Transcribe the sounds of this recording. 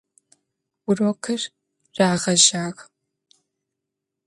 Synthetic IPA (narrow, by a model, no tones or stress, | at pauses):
wʊrɔkʰɨr | raːʁɐʒaːɣ